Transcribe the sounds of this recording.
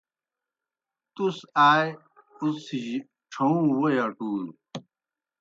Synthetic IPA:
t̪usaːj | usiʑ | ʈ͡ʂʰɐũwojaʈuːn

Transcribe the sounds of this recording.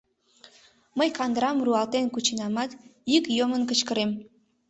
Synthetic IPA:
məjkɑnd̪ɾɑmruɑlt̪enkut͡ɕinɑmɑt̪ikjomənkə̆t͡ɕkəɾem

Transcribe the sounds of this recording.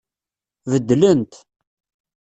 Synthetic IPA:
vəd̪ːlənt̪

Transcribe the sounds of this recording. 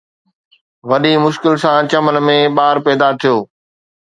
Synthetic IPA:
ʋɐɗimʊʃkɪlsãt͡ɕɐmənmẽɓaːɾpɛːd̪at̪ʰijoː

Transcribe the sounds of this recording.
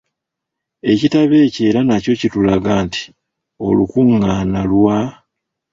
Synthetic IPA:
e̞citaβe̞ːce̞ːɾanaco̞citulaɡaːnti̥ | o̞̰lukuŋːanalwa

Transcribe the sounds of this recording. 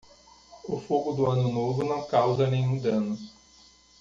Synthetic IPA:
ʊfoɡʊd̪ʊɐ̃nʊnovʊnɐ̃w̃kawzɐnẽjɲũd̪ɐ̃nʊ

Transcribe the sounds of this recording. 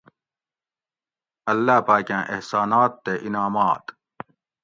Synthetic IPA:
ɐlːaːpaːkãːʔḛhsaːnaːt̪ːeʔinaːmaːt̪

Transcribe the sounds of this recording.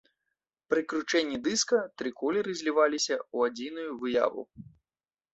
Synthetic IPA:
pɾɨkɾut͡ʂɛnʲːid̪ɨskɐt̪ɾɨkɔlʲɛɾɨzʲlʲivalʲisʲɐuad͡zʲinujuvɨja̰vṵ

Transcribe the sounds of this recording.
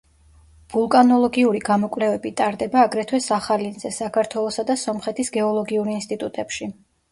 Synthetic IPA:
v̥ulˠkʼanɔlˠɔɡiuɾiɡamɔkʼwlɛvɛbit̪ʼaɾd̪ɛbaːɡɾɛt̪ʰwɛsaχalinzɛsakʰaɾt̪ʰwɛlˠɔsad̪asɔmχɛt̪ʰisɡɛɔlˠɔɡiuɾinst̪ʼit̪ʼut̪ʼɛpʃi

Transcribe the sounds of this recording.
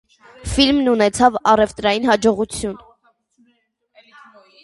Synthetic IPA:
filmnunɛt͡sʰɑvɑrɛvt̪ɾɑjinhɑd͡ʒɔʁut͡sʰjun

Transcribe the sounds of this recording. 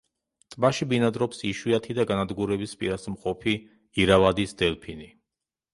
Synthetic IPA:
t̪ʼbaʃibinad̪ɾɔpsiʃwiat̪ʰid̪aɡanad̪ɡuɾɛbispʼḭɾasmqʼɔpʰiː | ɾavad̪isd̪ɛlpʰini

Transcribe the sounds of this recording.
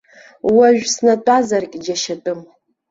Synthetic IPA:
waʒᶣsnatʷʼazarkʲʼd͡ʒaʃatʼɨm

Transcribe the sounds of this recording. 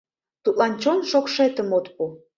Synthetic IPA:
t̪ut̪lɑnt͡ɕonʃokʃet̪əmot̪pu

